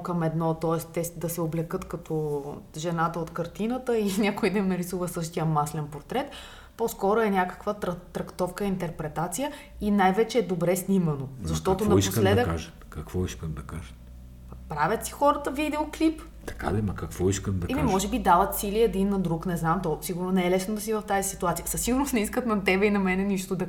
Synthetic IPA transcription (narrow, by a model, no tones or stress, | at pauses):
kɐmɛd̪nɔt̪ɔɛst̪ɛd̪ɐsɛoblɛkɤt̪kɐt̪ʰɔʒɛnat̪əot̪kɐɾt̪inət̪əinʲakʊid̪ɐnɐɾisuvəsɤʃt̪ijəmaslɛnpoɾt̪ɾɛt̪ | pɔskɔɾoɛnʲakə̥kvət̪ɾɐt̪ːɾɐkt̪ɔfkəint̪ɛɾpɾɛt̪at̪sijə | inajvɛt͡ʃɛːd̪obɾɛsnʲimənozɐʃt̪ɔɐt̪onɐipsk̪lɛd̪d̪əka̰ʒə | kɐkvɔiskəmd̪ɐkaʒə | pɾavʲjət̪si̥xɔɾət̪əvid̪ɛoklip | t̪ɐ̥ka̰d̪ɛmɐkɐkvɔiskəmd̪ɐɛmimɔʒɛbid̪avɐt̪siliɛd̪inːɐd̪ɾuknɛznamt̪ɔsiɡʊɾnonɛɛlɛsnod̪ɐsivɐft̪azisit̪uat̪sijəsɐsiɡʊɾnost̪nɛiskət̪nɐt̪ɛbɛinɐmɛnɛniʃt̪od̪ɐ